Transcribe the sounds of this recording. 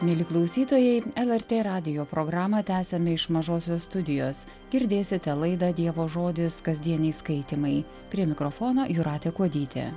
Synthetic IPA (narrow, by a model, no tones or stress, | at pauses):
mʲelʲɪklˠɐʊsʲiːt̪oːjɛɪɛlˠɛɾʲt̪ʲeːɾɑːd̪ʲɪjoːpɾoːɡɾɑːmɐt̪ʲæːsʲɛmʲɪɪʃmɐʒoːsʲoːsst̪ʊd̪ʲɪjoːs | ɡʲɪɾʲd̪ʲeːsʲɪt̪ʲɛlˠɐɪd̪ɐd̪ʲiɛʋoːʒoːd̪ʲɪskɐzʲd̪ʲiɛnʲɛɪskɐɪt̪ʲimɐɪ | pʲɾʲiɛmʲɪkɾɔfoːnoːjʊɾɑːt̪ʲɛkuɔd̪ʲiːt̪ʲḛː